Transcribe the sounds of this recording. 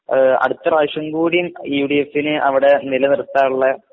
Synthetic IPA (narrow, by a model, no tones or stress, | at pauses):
ɐ̰ɽut̪ːɐraːʂɐŋɡuːɽijumjuːɽiefinɨʔɐʋiɽe̞nilɐnirut̪ːaːuɭːɐ